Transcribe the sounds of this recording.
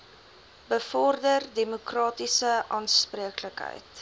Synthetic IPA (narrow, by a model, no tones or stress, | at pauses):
bəfɔrdərdemokrɑːtisəʔɑːnspriəkləkɦə̰jt